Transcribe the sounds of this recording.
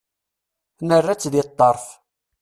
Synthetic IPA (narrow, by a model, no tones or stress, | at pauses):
nərːæt͡sːðɪt̪ˤːɑɾˤf